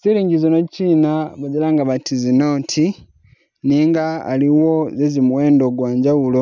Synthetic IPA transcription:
ziliːɲɟizonot͡ʃinaβad͡ʒilaːŋɡaβatʰizinotʰi | niːŋɡa̰ːliwo̞zezimuweːndoɡwaːɲɟawulo

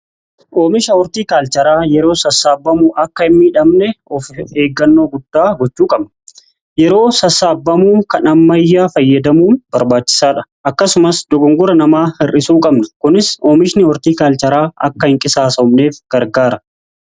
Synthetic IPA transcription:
ʔoːmɪʃɐwɔɾt̪iːkaːlt͡ʃɐɾaːjɛɾo̞ːsɐsːaːbːɐmʊʔɐkːɐɪmːiːᶑɐmnɛɔfeːɡːɐnːo̞ːɡʊd̪̥ːaːɡɔt͡ʃːuːkʼɐbnɐ̥ | jɛɾo̞ːsɐsːaːbːɐmuːŋkɐnɐmːɐjːaːfɐjːɐd̪ɐmuːnbɐɾbaːt͡ʃːɪ̥saːᶑɐ̥ʔɐkːɐsʊmɐsd̪ɔɡɔŋɡʊɾɐnɐmaːhɪrʔɪsuːkʼɐbnɐkʊnɪsoːmɪʃnɪɔɾt̪iːkaːlt͡ʃɐɾaːɐ̰kːɐhɪŋkʼɪsaːsɐmne̞ːfɡ̥ɐɾɡaːɾɐ

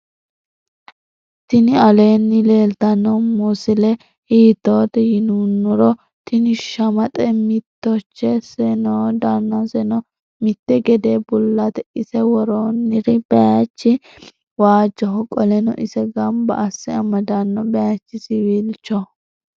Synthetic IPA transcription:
t̪ɪnɪɐleːnːɪle̞ːlt̪ɐnːɔmʊsɪlɛ | hiːt̪ːoːt̪ɛjɪnunːʊɾɔ | t̪ɪnɪʃɐmɐt̪ʼɛmɪt̪ːɔt͡ʃːɛsɛnoːd̪anːɐsɛnɔ | mɪt̪ːɛɡɛd̪eːbʊlːɐt̪ɛʔɪsɛwɔɾoːnːɪɾɪb̥ɛjat͡ʃːɪ | waːd͡ʒɔhɔkʼɔlɛnɔ̰ʔɪsɛɡɐmbɐ̰ʔːsːɪɐmɐd̪ɐnːɔbɛjat͡ʃːɪsɪwiːlt͡ʃːɔ

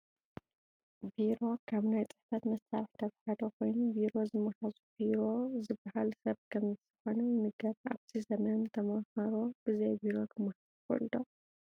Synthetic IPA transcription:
viɾo̞kʰaβnajt͡sʼɨ̥ħfɐt̪mɐst̪ʰaɾħt̪ʰɐfħad̪okʰo̞jnubiɾo̞zɨmːɐhazubiɾo̞zɨbahalsɐβkʰɐmɨt̪ɨxonɐnɨɡɐβa̰βt̪ʰizɐmɐnnt̪ʰɐmɐhɐɾob̥ɨzɐjbiɾo̞kʰɨmːɐhako̰ld̪o̞

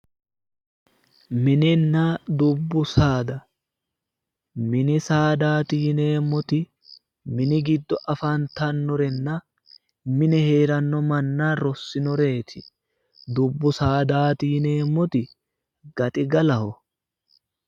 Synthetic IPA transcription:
mɪnɪnːad̪ʊbːʊsaːd̪ɐ | mɪnɪsaːd̪aːt̪iːne̞ːmːɔt̪ɪ | mɪnɪɡɪd̪ːɔʔɐfant̪ɐnːɔɾɛnːɐ | mɪnɛhe̞ːɾɐnːɔmɐnːaːɾɔsːɪnɔɾe̞ːt̪ʰɪ | d̪ʊbːʊsaːd̪aːt̪iːne̞ːmɔt̪ɪ | ɡ̥ɐt̪ʼɪɡɐlɐhɔ

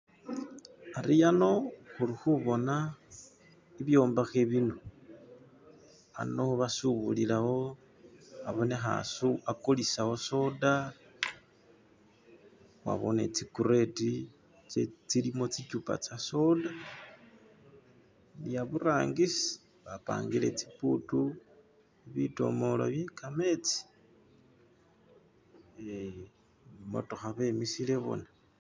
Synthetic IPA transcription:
aɾijano̞xuɾixuβo̞na | iβjo̞ːmbaxeβino | a̰no̞βasuβulilawo̞ | aβo̞nexa̰suakolisawo̞so̞da | wa̰βo̰nḛt͡sikuɾe̞ti | t͡ʃet͡silimo̞t͡sicupa̰t͡sasoda | lijaβuraːŋɡisi̥ | βapa̰ːŋɡile̞̰t͡si̥putu | iβito̞̰molo̰βjekame̞t͡si̥ | e | mo̰toxaβemisile̞βo̰na

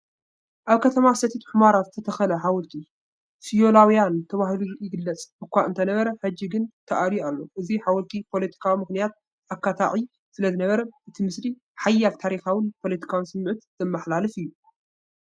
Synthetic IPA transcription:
ʔaβkʰɐt̪ʰɐmasɐt̪ʰit̪u̥ħɨmaɾat̪ɨt̪ʰɐt̪ʰɐxɐlɐħawɔlt̪ʰi | fijo̞lawjant̪ʰɐβahluɾʔjɪɡɨlːɐt͡sʼbɨkʷːaʔɨnt̪ʰɐnɐβɐɾɐħɨd͡ʒːiɡɨnt̪ʰɐʔaɾialːo̞ʔɨziħawɔlt̪ʰipʰo̞lɐt̪ʰi̥kʰawimɨxnijat̪̚ | ʔakʰːat̪ʰa̰ʕi | sɨlɐzɨnɐβɐɾɐʔɨt̪ʰimɨsli | ħajːalt̪ʰaɾixawɨnpʰo̞lɐt̪ʰi̥kʰawnsɨmːʕɨt̪z̥ɐmːɐħlalɨfɨjːu

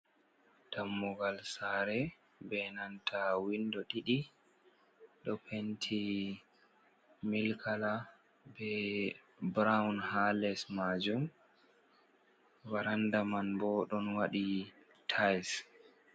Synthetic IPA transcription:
tamːuɡalsaɾɛ | bɛnantʰawindɔɗiɗi | ɗɔpʰentʰi | milkʰala | bɛ | bɾawnhalɛsmad͡ʒum | waɾandamanbɔɗɔnwaɗi | tʰajs

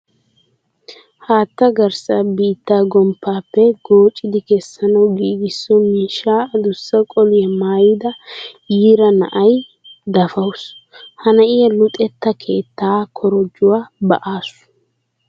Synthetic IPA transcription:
haːt̪ːɐɡɐɾsabiːt̪ːaːɡɔmpːaːpːɛɡ̥o̞ːt͡ʃʼːɪd̪ɪkɛsːɐnɐwɡiːɡɪsːɔmiːʃːaːd̪ʊsːɐkʼɔlɪjɛmaːjɪd̪ɐjiːɾɐnɐ̰ʔɐj | d̪ɐfɐwshɐnɐʔɪjɐlʊt̪ʼɛt̪ːɐkʰeːt̪ːaːkʰɔɾɔd͡ʒːʊwaːbɐ̰ʔaːsʊ̥

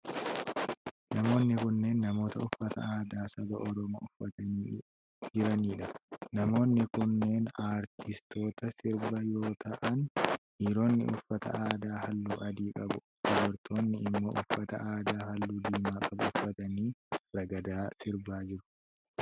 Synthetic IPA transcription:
nɐmo̞ːnːɪkʊnːe̞ːnːɐmo̞ːt̪ɐʊfːɐt̪ɐ̰aːd̪aːsɐb̪ɐʔɔɾɔmo̰ːʊfːɐt̪ɐniː | d͡ʒɪɾɐniːᶑɐnɐmo̞ːnːɪkʊnːe̞ːnaːɾt̪ɪst̪ʰo̞ːt̪ɐsɪɾbɐjo̞ːt̪ʰɐʔɐnʔiːɾo̞ːnːɪ̰ʔʊ̰fːɐt̪ɐ̰ʔaːd̪aːhɐlːuːʔɐd̪iːkʼɐbʊ | d̥ɔdɔɾt̪ʰo̞ːnːɪɪmːo̰ːʔʊfːɐt̪ɐ̰ʔaːd̪aːhɐlːuːd̪iːmaːkʼɐbʊʊfːɐt̪ɐniːɾɐɡɐd̪aːsɪɾbaːd͡ʒɪɾʊ̥

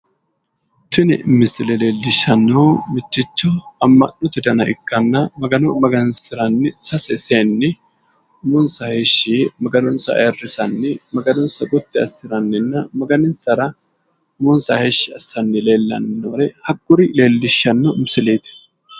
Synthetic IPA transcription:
t̪ɪnɪmːɪsɪlɛle̞ːlːɪʃːɐnːoːmɪt͡ʃːɪt͡ʃːɔɐmːɐ̰nːɔt̪ɛd̪ɐnɐʔɪ̰kːɐnːɐmɐɡɐnɔmɐɡɐnsɪɾɐnːɪsɐsɛseːnːɪ | mʊnsɐheːʃːimɐɡɐnɔnsɐ̰ɐ̰rːɪsɐnːɪmɐɡɐnɔnsɐɡʊt̪ːɪɐsɪɾɐnːɪnːɐmɐɡɐnɪnsɐɾɐ | mʊnsɐheːʃːɪɐsːɐnːɪle̞ːlːɐ̰nːnːɐɾɛhɐɡːʊɾɪle̞ːlːɪʃːɐnːɔɪmsɪleːt̪

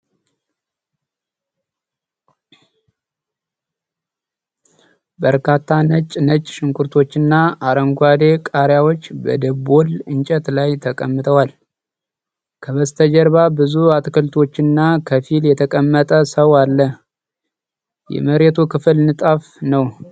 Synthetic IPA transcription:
bəɾkʰat̪ʰːanət͡ʃʼnət͡ʃʼʃɪŋkʰʼuɾt̪ʰo̞t͡ʃːɪnːaaɾəŋɡʷad̪e̞kʼaɾjawo̞t͡ʃːbə̰d̪əbo̞lɨɲt͡ʃʼət̪lajt̪ʰəkʼəmːɨt̪ʰəwal | kʰəβəst̪ʰəd͡ʒəɾβabɨzuat̪kʰəlt̪ʰo̞t͡ʃːɪnːakʰəfiljɛt̪ʰəkʼəmːət̪ʼəsəwalːə | jɛ̰məɾet̪ʰukʰɨfɨlnɨt̪ʼaf | nəw

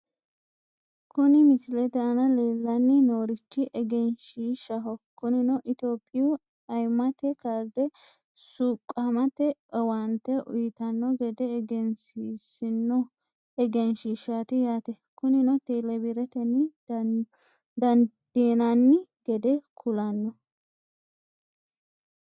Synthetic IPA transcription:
kʊnɪmɪsɪlɛt̪ɛɐnɐleːlːɐnːɪnoːɾɪt͡ʃːɪʔɛɡɛnʃiːʃɐɦɔkʊnɪnɔʔɪt̪oːpʼːɪjʊ | ɐjmːɐt̪ɛkaːɾd̪ɛ | suːkʼːɐmɐt̪ɛɔwɐnt̪ɛʔʊ̰jɪt̪ɐnːɔɡɛd̪ɛːɡɛnsisɪnːɔ | ɛɡɛnʃiːʃat̪ɪjaːt̪ɛ | kʊnɪnɔt̪eːlɛbɪɾɛt̪ɛnːɪ | d̪ɐnd̪̥eːnɐnːɪɡɛd̪ɛkʰʊlɐnːɔ

